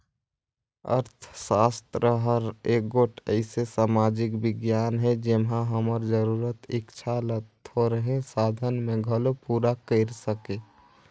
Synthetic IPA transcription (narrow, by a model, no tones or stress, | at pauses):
ə̰ɾt̪ʰsast̪ɾəɦəɾeɡoʈʰəɪsesamad͡ʒɪkbɪɡjanɦɛd͡ʒemɦãɦəməɾd͡ʒəɾuɾət̪ɪkt͡ʃʰalət̪ɦoɾəɦẽsaːd̪ʱənmẽɡʱəlopuɾakəɪɾsəke